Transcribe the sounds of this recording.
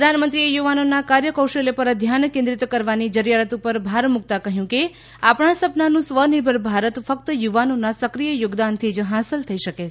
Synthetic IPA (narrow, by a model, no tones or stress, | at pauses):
pɾəd̪ʱanmənt̪ɾiejuʋanonakaɾjəkəwʃelepəɾəd̪ʱjankẽnd̪ɾit̪kəɾʋanid͡ʒəɾjaɾət̪upəɾbʱaɾmuk̚t̪akəɦjũke | apɳãsəpnanũsʋənibʱəɾbʱaɾət̪fək̚t̪əjuʋanonasəkɾijəjoɡd̪ant̪ʰid͡ʒɦasəlt̪ʰəiʃəke